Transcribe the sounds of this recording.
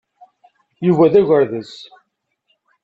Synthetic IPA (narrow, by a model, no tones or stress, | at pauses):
juvæðæʝəɾðəs